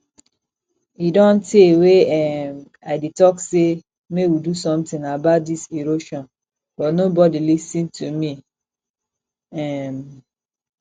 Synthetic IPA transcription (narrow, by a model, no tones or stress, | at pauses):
idɔ̃nteweɛm | aɪdetɔkse | mewidusɔ̃mtĩŋabat̚diseɾoʃɔ̃n | b̥ɔtnobɔdilisĩntʰumi | ɛm